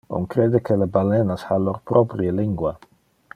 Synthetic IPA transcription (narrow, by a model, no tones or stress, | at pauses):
o̰ŋkɾed̪ekʰelebalenashaloɾpɾɔpɾjeliŋɡwa